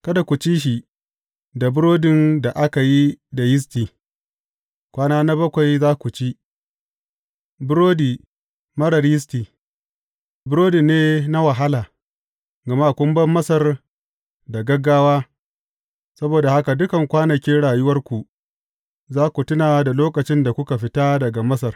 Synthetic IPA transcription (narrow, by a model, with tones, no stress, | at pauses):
kɐ˦da˨kʷu˨t͡ʃiː˦ʃ̬i˨ | da˨bʊ˦ɾoː˦dɪ˨nda˨ʔa˦ka˨ji˦da˨jɪ˦s̬tiː˨ | kʷaː˦naː˦na˦bɐ˦kʷa˨jzaː˦kʷu˨t͡ʃi˦ | bʊ˦ɾoː˦diː˨ | mɐ˦ɽɐ˨rjɪ˦s̬tiː˨ | bʊ˦ɾoː˦di˨neː˦na˦wa˨ɦa˦laː˨ | ɡɐ˨ma˦˨kʷʊ˦mbɐ˦mːɐ˦sɐ˨r | da˨ɡɐ˦ɡːaː˦waː˦ | sɐ˦boː˨da˨ha˦ka˨dʊ˦kɐ˨ŋkʷaː˦nɐ˨kʲi˦ɽaː˨jʊ˦wɐ˦rkʷu˨ | zaː˦kʷu˨tʊ˦naː˨da˨loː˦kɐ˨t͡ʃɪ˦nda˨kʷʊ˦ka˨ɸɪ˦taː˦dɐ˨ɡa˨mɐ˦sɐ˨r